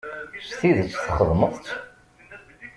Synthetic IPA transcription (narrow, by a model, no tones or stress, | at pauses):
sθiðət͡ʃːθχəðˤməðˤt͡ʃ